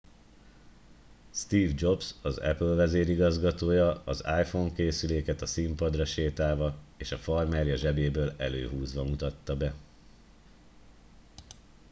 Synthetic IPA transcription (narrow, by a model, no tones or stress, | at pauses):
st̪iːvd͡ʒo̞bsɒzɛ̰pølvɛzeːɾiɡɒzɡɒt̪oːjɒɒzaːjfoŋkeːsyleːkɛt̪ɒsimpɒd̪rɒʃeːt̪aːvɒeːʃɒfɒrmɛrjɒʒɛbeːbøːlɛ̰lø̰ːɦuːzʋɒmut̪ɒt̪ːɒbɛ